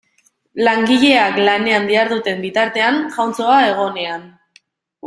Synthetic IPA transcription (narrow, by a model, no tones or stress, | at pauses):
laŋɡiʎe̞aklane̞and̪iaɾðut̪e̞mbit̪aɾt̪e̞aŋʝawnt͡so̞ae̞ɣ̞o̞ne̞an